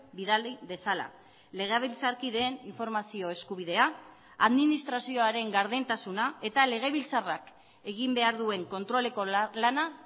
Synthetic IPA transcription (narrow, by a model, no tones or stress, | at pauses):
biðalibe̞sala̰ | le̞ɣ̞eβilt͡saɾkiðe̞ːniɱfo̞ɾmasio̞e̞skuβ̞iðe̞a | aðminist̪ɾasio̞aɾe̞ŋɡaɾðent̪asunae̞t̪ale̞ɣ̞eβ̞ilt͡sarak | e̞ɣimbe̞aɾðue̞ŋko̞nt̪ɾo̞le̞ko̞lana